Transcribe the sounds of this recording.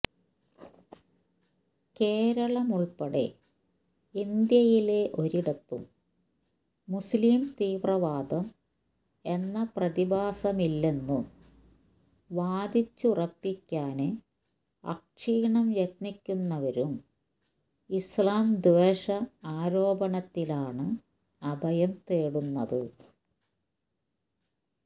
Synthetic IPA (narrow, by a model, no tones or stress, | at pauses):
ke̞ːɾɐɭɐmuɭpɐɽḛ | ind̪jɐjile̞ʔo̞ɾiɽɐt̪ːṵm | usliːmt̪iːʋrɐʋaːd̪ɐm | e̞nːɐprɐðibaːsɐmilːenːu | ʋaːd̪it͡ɕːurɐpːikʲːaːnɨ | ɐ̰k̚ʂiːɳɐmjɐt̪̚nikʲːunːɐʋɐɾum | islaːmd̪ʋeːʂɐaːɾo̞ːbɐɳɐt̪ːilaːɳɨ | ɐbʱɐjɐmt̪eːɽunːɐðɨ